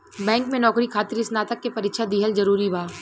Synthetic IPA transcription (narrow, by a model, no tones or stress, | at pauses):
bɛ̃ːŋkmẽnɔːkɾikʰaːt̪ɪɾɪsnaːt̪əkːepɐɾɪkʃad̪iːɦəlzɐɾuːɾibʱaː